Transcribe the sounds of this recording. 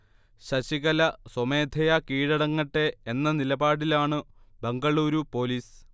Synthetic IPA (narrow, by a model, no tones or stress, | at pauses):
ɕɐɕiɣɐlɐsomeːd̪ʱɐjɐkiːɻɐɽɐŋːɐʈːe̞ːnːɐnilɐbaːɽilaːɳɨbeŋɡɐɭuːɾupo̞ːliːs